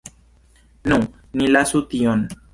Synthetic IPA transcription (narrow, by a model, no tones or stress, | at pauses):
nũ | nĩlasut̪iɔn